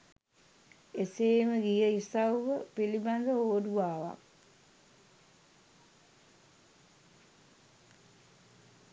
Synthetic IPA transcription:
eseːməɡijəisauʋəpiliband̪əoːd̪uaːʋa̰k

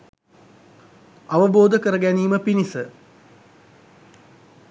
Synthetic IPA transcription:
ɐʋɐboːd̪əkəɾəɡæniːməpinisə

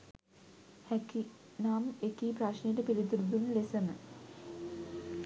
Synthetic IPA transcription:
hæki | naːmekiːpɾaʃnejeʈəpilit̪uɾud̪unlesəmə

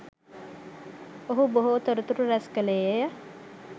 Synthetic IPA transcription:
oɦuboɦoːt̪əɾut̪uʈuɾæskəleːejə

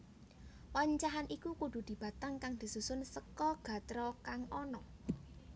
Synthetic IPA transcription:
waɲt͡ʃaɦanʔikukuɖ̥ṳd̪̥i̤b̥ä̤t̪aŋkaŋd̪̥i̤susʊnsəkɔɡ̥ä̤t̪ɾɔkaŋɔnɔ

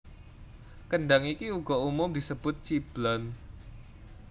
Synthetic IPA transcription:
kəɳɖaŋikiuɡ̥ɔ̤umʊmd̪isəb̥ʊt̪̚t͡ʃib̥lɔn

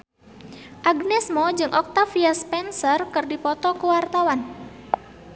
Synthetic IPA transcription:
ʔaɡnɛsmɔd͡ʒɨŋʔɔk̚t̪afiaspɛnsərkɨrdipɔt̪ɔkuwart̪awan

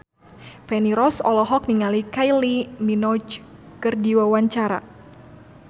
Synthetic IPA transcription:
fɛniɾɔsɔlɔɦɔk̚niŋalikajliminɔd͡ʒ | kɨrdiwawaɲt͡ʃaɾa̰

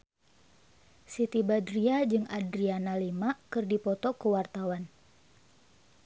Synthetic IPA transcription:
sit̪ibadɾiad͡ʒɨŋadɾianalimakɨrdipɔt̪ɔkəwart̪awan

